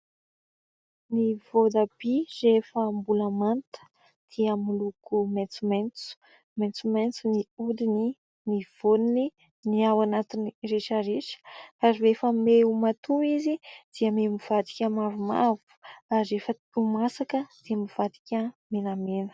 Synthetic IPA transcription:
nivod̪ab̥irefəmbulamant̪ə̥ | d̪̥iəmulukumet͡sument͡su̥ | ment͡sument͡suniud̪ini | niv̥onini | niawanat̪inireʈ͡ʂəɾeʃə̥kaɾiefəmeumat̪uizid̪̥iəmemiv̥ad̪i̥kʲəmaɾuma̰vu̥aɾefə | umasakəd̪̥iəmiv̥ad̪i̥kʲəmenamenə̥

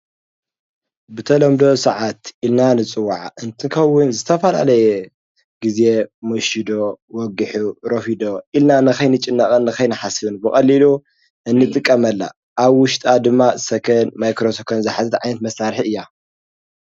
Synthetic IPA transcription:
bɨt̪ʰɐlɐmd̪o̞sɐʕat̪ʔilnanɨt͡sʼɨwːaʕaʔɨnt̪ʰɨkʰɐwʊnzɨt̪ʰɐfɐla̰lɐjɛ | ɡize̞moʃid̪o̞wɔɡɨħuɾofid̪oʔilnanɨkɐjnɨt͡ʃʼɪnːakʼɐnːɨkɐjnɨħasɨβɨnbɨkʼɐlːilu | ʔɨnːɨt̪ʼɨkʼːɐmɐlːa̰ | ʔaβwʊʃt̪ʼad̪ɨmːasɐkʰɐnmajkɾosɐkʰɐnzɨħazɐt̪ʕajnɐt̪mɐsaɾħiɨjːa

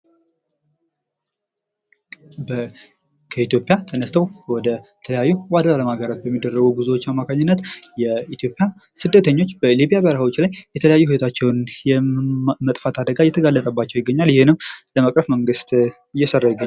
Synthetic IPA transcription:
bə | kʰəit̪jo̞pʼjat̪ʰənəst̪ʰəwwɔd̪ət̪ʰələjajːuwad̪əaləmaɡəɾat̪̚bəmːid̪ːərːəɡuɡuzuwot͡ʃːamːakʰaɲːɪnːət̪jɛit̪ʰjo̞pʼːja | sɨd̪ːət̪ʰəɲːo̞t͡ʃːbəliβijabəɾəwo̞t͡ʃːlajːɛt̪ʰələjajːuhuwt̪ʰat͡ʃːɛwnjɛmət̪ʼfat̪ʰad̪əɡajɛt̪ʰəɡalːət̪ʼəbat͡ʃːɛwjɪɡːəɲːaljɪhɪnɨmləmakʼɾəfməŋɡɨst̪ | ɨjːɛsərːajɪɡə

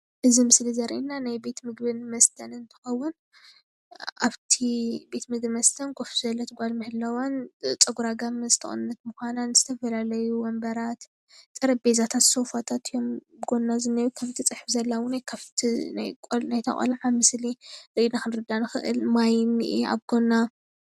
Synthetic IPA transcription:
ʔɨzimɨslizɐɾʔinːanajbe̞t̪mɨɡbɨnmɐst̪ʰɐnɨnt̪ʰɨ̥xɐwːʊn | ʔaβt̪ʰibe̞t̪mɨɡ̚bɨmɐst̪ʰɐnɡofuzɐlːɐt̪ʰɨɡʷalmɨhɨlːɐwant͡sʼɐɡuɾaɡamzɨt̪ʰɐ̰xʼɨ̰nnːɐt̪̚mɨxʷananz̥ɨt̪ʰɐfɐlalɐjuwɔmbɐɾat̪ | t̪ʼɨɾɐbezat̪ʰat̪so̞fat̪ʰat̪ʰijo̞mbɡo̞nːazɨnːɐjukʰɐft̪ʰit͡sʼɨħfzɐlːawunajkʰɐft̪ʰina̰jkʼolnajt̪ʰɐ̰χʼo̰lʕamɨsliɾɨinaxɨnɾɨd̪anɨxɨ̰ʔɨ̰lmajmiʔia̰βɡ̥o̞nːa

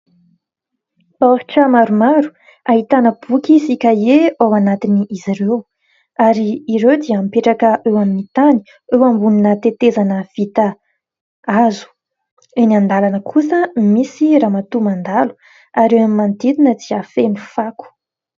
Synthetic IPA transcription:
oɾʈ͡ʂəmaɾumaɾu̥ | aɦit̪anəb̥ukʲisikʲaeawanat̪iniʔiziɾew | aɾiːɾewd̪iəampeʈ͡ʂakəʔewaminit̪ani̥ | ewambuninət̪et̪ezanəv̥it̪ə | azu̥ | enand̪alanəkʰusəmisiɾamat̪umand̪alu̥ | aɾewamimand̪id̪inəd̪iafenifaku̥

